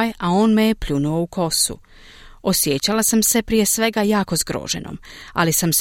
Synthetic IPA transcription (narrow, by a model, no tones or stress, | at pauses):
jao̞ːnme̞jepʎunuo̞ukʰo̞sṵ | o̞sjet͡ɕalasamse̞pɾije̞sʋe̞ɡajaːko̞zɡɾo̰ːʒḛnʔo̰ma̰lisams